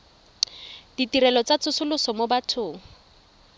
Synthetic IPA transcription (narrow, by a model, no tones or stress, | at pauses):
d̥itiɾɛlɔt͡sat͡sʰʊsʊlʊsɔmobatʰʊːŋ̩